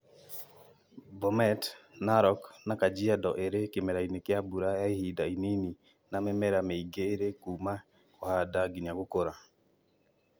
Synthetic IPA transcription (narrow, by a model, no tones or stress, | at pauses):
bɔmɛtnaɾɔknakad͡ʒɪadɔʔeɾekɪmɛɾainekɪabuɾaaihidainini | namɛmɛɾamɛiɡeɾekuma | kɔhadaɡɪɲaɡokoɾa